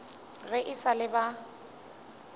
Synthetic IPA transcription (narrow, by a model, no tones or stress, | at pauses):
ɣɪʔisalɪba